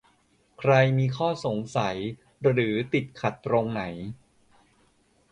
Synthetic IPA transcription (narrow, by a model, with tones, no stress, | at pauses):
kʰɾa˧jmiː˧kʰɔː˥˩so˨˩˦ŋsa˩˦j | ɾɯː˩˦t̪i˨˩t̪̚kʰa˨˩t̪ːɾo˧ŋna˩˦j